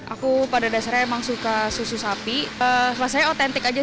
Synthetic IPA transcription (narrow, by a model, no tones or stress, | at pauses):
ʔakupadadasaɾjaemaŋsukasususapislasajaot̪ɛnt̪ɪkad͡ʒa